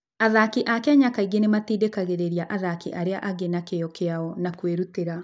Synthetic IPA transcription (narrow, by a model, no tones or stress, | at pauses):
aðakiʔakeaɲakaiɡenematiːdekaɣeɾeɾiaʔaðakiʔaɾeaʔaɡenakejɔkeaɔnakweɾuteɾa